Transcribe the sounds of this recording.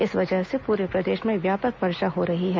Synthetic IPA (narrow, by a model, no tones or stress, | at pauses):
ɪsʋɐd͡ʒəɦsepuːɾepɾɐd̪eːʃmẽʋjaːpəkʋɐɾʃaɦoɾɐɦiɦɛː